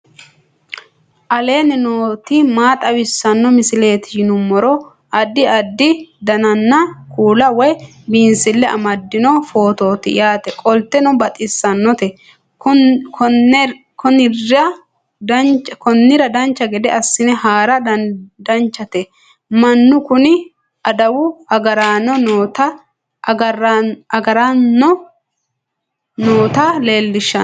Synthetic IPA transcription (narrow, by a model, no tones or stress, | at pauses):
ʔɐle̞ːnɪnoːt̪ɪmaːt̪ʼɐwɪsːɐnːɔmɪsɪle̞ːt̪ɪʃɪnʊmːɔɾɔ | ɐd̪ːɪɐd̪ːɪd̪ɐnɐnːɐkuːlɐwɔj | binsɪlːɛʔɐ̰mɐd̪ːɪnɔfo̞ːt̪o̞ːt̪ɪ̰jaːt̪ɛkʼɔlt̪ːɛnɔbɐt̪ʼɪsːɐnːɔt̪ɛ | kʰɔnɪrɐ | d̪ɐnt͡ʃkɔnːɪɾɐd̪ɐnt͡ʃːɐɡɛd̪ɛɐsːɪnɛhaːɾɐdd̪ɐnt͡ʃːɐt̪ɛ | mɐnːʊkʊnɪ | ʔɐd̪ɐwʊɐɡɐɾaːnɔnoːt̪ɐ | ɡɐɾɐɡɐɾanːɔ | noːt̪ale̞ːlːɪʃːɐ